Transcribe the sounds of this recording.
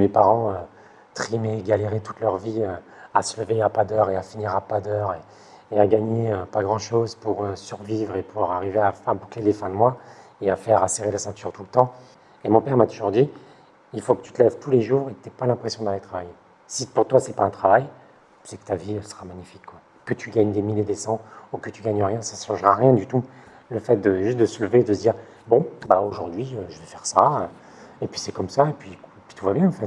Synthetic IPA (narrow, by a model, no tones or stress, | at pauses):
mepaʁɑ̃ø | t̪χimeɡaleʁet̪u̥t̪lœʁviø | a̰sələveapad̪œʁeafiniʁapad̪œʁe | eaɡaɲeøpaɡʁɑ̃ʃozpuʁøsyʁvivʁepʰuʁaʁiveaabuklelefɛ̃d̪əmwaeafɛʁaseʁelasɛ̃t̪yʁt̪ulət̪ɑ̃ | emɔ̃pɛʁmat̪uʒuʁd̪i | ilfokə̥t̪y̥t̪əlɛvt̪ʰuleʒuːʁekt̪yɛpalɛ̃pχesjɔ̃d̪alet̪χavaje | sipuʁt̪wasɛpaɛ̃t̪χavaj | sɛkə̥t̪aviøsə̥χamaɲifi̥kːwa | kət̪ʰyɡaɲd̪emiljed̪esɑ̃ukət̪yɡaɲəʁjɛ̃saʃɑ̃ʒʁaʁjɛ̃d̪yt̪u | ləfɛt̪̚d̪əʒyst̪̚d̪əsələveːd̪əsd̪iːʁ | bɔ̃baoʒuʁd̪ɥiøʒəvɛfɛʁsaø | epɥi̥sɛkɔmsaepɥiepɥi̥t̪uvabjɛ̃ɑ̃fɛt̪